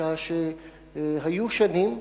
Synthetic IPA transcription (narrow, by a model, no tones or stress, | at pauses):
aːʃe | ɦɐjuʃɐnim